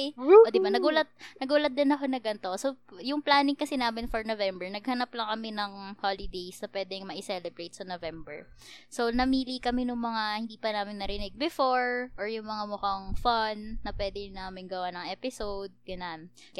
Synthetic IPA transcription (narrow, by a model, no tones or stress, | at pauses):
ʔod̪ɪbanɐɡuːlɐt̪̚nɐɡuːlɐt̪̚d̪ɪnɐkonɐɡɐnt̪osojʊŋplaːnɪŋkɐsɪnaːmɪnfoɹnovɛmbɛɹnɐɡ̚hɐnaplɐŋkɐmɪnɐŋholɪd̪ejsnɐpwɛːd̪ɛŋmɐʔɪsɛlɛbɾejt̪̚sɐnovɛmbɛ̰ɹ | sownɐmiːlikɐmɛnʊŋmɐŋahɪnd̪iːpɐnaːmɪnːɐɾɪnɪɡ̚bɛfo̞ɹʔoɹjʊŋmɐŋamʊkaŋfanːɐpwɛːd̪ɪnaːmɪnɡɐwanɐŋʔɛpɪsowd̪̚ɡɐnan